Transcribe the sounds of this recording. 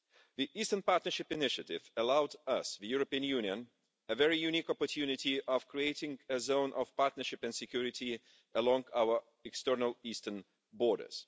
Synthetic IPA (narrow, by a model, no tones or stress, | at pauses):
ðiʔistənpɑɹtnə˞ʃɪpɨnɪʃɨtɪvəlaʊdʌsðɨjʊɹəpiɨ̃njʉnjə̃n | ɨvɛɹijʉnikɔpətʰjʉnɪtiʔɔv̥kʰɹ̥ieɪtɪ̃ŋɨzõʊ̃nʔʌ̰v̥pɑɹtⁿnə˞ʃɪpæ̃ndsɨkʰj̥uɹɨti | ʔəlɔ̃ŋaʊə˞ | ɛkstɜ˞nəlˠistən | bɔːɾə̰˞z̥